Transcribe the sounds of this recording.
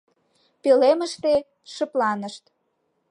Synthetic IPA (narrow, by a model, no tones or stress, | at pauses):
peleməʃt̪e | ʃə̆plɑnəʃt̪